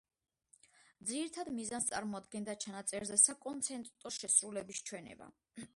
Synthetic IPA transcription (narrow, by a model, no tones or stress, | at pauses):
d̪ziɾit̪ʰad̪mizanst̪sʼa̰ɾmɔad̪̚ɡɛnd̪at͡ʃʰanat̪sʼɛɾzɛsakʼɔnt̪sʰɛnt̪ʼt̪ʼɔʃɛsɾulɛbist͡ʃʰwɛnɛ̰ba̰